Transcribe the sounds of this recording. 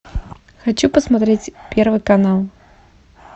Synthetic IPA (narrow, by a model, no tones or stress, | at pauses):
xat͡ʃupɐsmat̪ɾɛt͡sʲpʲɛrvɨkanalˠ